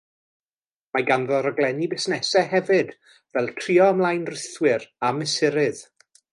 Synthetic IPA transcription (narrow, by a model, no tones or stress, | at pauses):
maɡanðɔɾəɡlˠɛnibɪsnɛsɛɦɛvɨd̥ | vɛlˠtʰriːɔəmlˠajnrɪθwɪɾamɪsɪɾɨð̥